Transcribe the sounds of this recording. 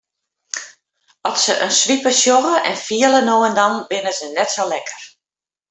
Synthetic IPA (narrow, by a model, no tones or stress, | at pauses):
ɔsə̰ʔə̰nsʋipəsjoɣəʔɛnfiələnoəndɔnbɪnəzənɛtsolɛkə̥r